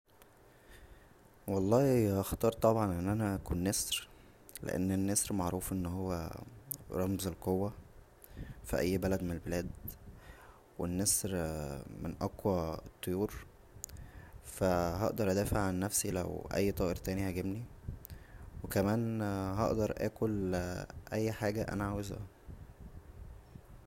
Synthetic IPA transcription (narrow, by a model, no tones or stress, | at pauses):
wɑlˤːɑːhihɑxt̪ˤɑːɾˤt̪ˤɑbʕɑnʔenːʔænæækuːnːesɾ | lḛʔḛnːenːesɾmɑʕɾuːfʔenːɦowːæ̰ | ɾˤɑmzelqowːæ | fḭʔæjːbælæd̪menelbelæːd̪ | wḛnːesɾmḛnʔɑqwæet̪ˤːojuːɾ | fæɦɑ̰ʔd̪ɑɾˤʔæd̪æːfeʕːanːæfsilæ̰wʔæ̰jːt̪ˤɑːʔeɾt̪æːnihæɡebni | wekæmæːnɦɑ̰ʔd̪ɑɾˤʔæ̰ːkolʔæjːħaːɡæʔæ̰næʕawezæ̰